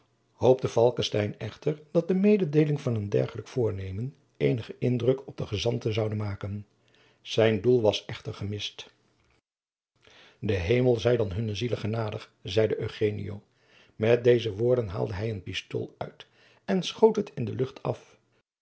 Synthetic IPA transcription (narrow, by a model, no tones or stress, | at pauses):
howp̚təvɑlˠkəstɛjnɛχtəɹd̥ɑt̚dəmejdədejlɪŋvɑnəndɛ̰ɹχələkfʊːɹnejmən | ejnəχəʔɪndrɵkʰɔb̚dəχəzɑntəzɑwdənmaːkən | z̥ɛjndulˠʋɑsɛχtəɹχəmɪst | dəɦejməlˠzɛjdɑnɦɵnəziləχənaːdəχ | zɛjdəʔøɥχejnḭjo̰w | mɛt̚dejzəʋʊːɹdənɦa̰ːlˠdəɦɛjənpisto̰ːlˠœ̰ɥt | ɛnsχowtɦətʰɪndəlɵχtʰɑf